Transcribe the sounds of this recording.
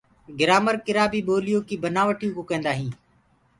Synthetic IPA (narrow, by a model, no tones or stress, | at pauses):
ɡɪɾaːməɾkɪɾaːbiːɓoːlɪjoːkiːbənaːʋəʈijõːkoːkẽːnd̪aːɦĩː